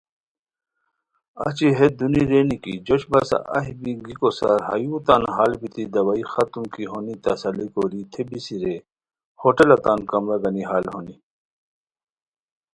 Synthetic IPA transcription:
ɐ̰t͡ɕiɦed̪uniɾeːnikid͡ʑoɕbɐsa̰ʔɐ̰ɦibiɡikosa̰ɾhɐ̰jut̪anɦaːlbit̪ʰid̪ɐwaixɐt̪umkiɦonit̪ɐsɐlikoːɾit̪ʰebisiɾe | hoʈelɐt̪aːnkɐmɾaɡɐniɦaːlhoni

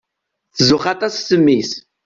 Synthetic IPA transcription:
θəzʊχɑt̪ˤɑssəmːis

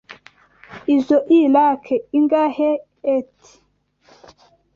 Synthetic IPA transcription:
izoʔilakʰeiŋɡaheː | tʰi̥

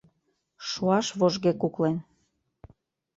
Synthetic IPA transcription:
ʃuɑʃβoʒɣekuklen

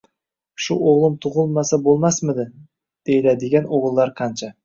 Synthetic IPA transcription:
ʃʊoʁlˠɨmt̪ʰʊʁʊlˠmasabolˠmasmɪd̪ɪ | d̪̥ejlad̪ɪɡʲanoʁɨlˠːɑɾqʰɑnt͡ʃʰa

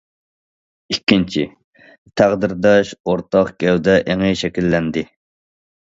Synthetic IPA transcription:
ikʲːint͡ʃʰi | t̪ʰæʁd̪ɪɾd̪ɑʃoɾt̪ɑqɡʲɛwd̪ɛʔeŋɪʃɛkʲilːɛnd̪ɪ

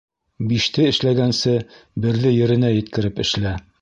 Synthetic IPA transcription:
biʃt̪ɘɘ̆ʃlæɡænsɘbɘ̆ɾlɘjɘ̆ɾɘ̆næjɘ̆t̪kɘ̆ɾɘpɘ̆ʃlæ

